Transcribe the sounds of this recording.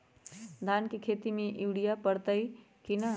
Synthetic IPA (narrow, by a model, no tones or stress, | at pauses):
d̪ʱaːnkekʰeːt̪imẽʔiʋɽijapəɽt̪əi | kina